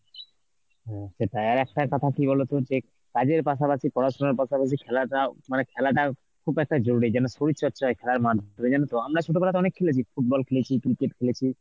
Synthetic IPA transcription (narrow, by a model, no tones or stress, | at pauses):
ɦɛ̃ʃeʈaeaɾɛkʈakɔt̪ʰakibɔlot̪od͡ʑe | kad͡ʑeɾpaʃapaʃʰipɔɾaʃonaɾpaʃapaʃ̬ikʰɛlaʈamanekʰɛlaʈa | kʰubɛk̚ʈad͡ʑoɾuɾid͡ʑɛnoʃoɾit̪ːʃɔtːɕʰajkʰɛlaɾmad̪ʱd̪ʱoed͡ʑɛnot̪oamɾaʃuʈopʰɛlat̪̬ɔnekʰelet͡ɕʰifʰuʈ̚bɔlkʰelet͡ɕʰikɾikeʈkʰelet͡ɕʰi